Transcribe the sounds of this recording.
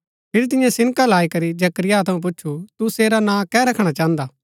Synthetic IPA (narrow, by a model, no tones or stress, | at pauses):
pʰɪɾit̪̬ɪjãsɪ̃nkalaːikɐɾid͡ʒɐkɾɪjat̪ʰɐũp̬ʊːʃʰut̪useːɾanãkɛɾɐkʰɽ̃at͡ʃãːnd̪aː